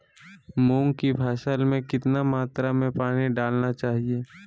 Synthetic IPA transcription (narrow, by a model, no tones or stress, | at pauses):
mũːŋkibʱaːʃəlmẽkɪt̪namaːt̪ɾamẽpaːɽ̃iɖaːlnat͡ʃaːɦieː